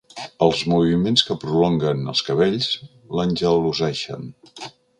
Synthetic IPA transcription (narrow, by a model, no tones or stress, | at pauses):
əlˠzmuβimenskəpɾulɔŋɡənə̰lˠskəβeʎz | lənʲʒəluzɛʃə̰n